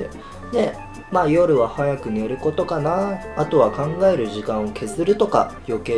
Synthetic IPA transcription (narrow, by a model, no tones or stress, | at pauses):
e | ne̞ | maːjo̞ɾɯ̟βahajakɯ̟ne̞ɾɯ̟ko̞t̪o̞kanaːt̪o̞βakãŋɡae̞ɾɯ̟ʑikãɰ̃o̞kʰe̞zɨɾɯ̟t̪o̞ka̰jo̞ke̞ː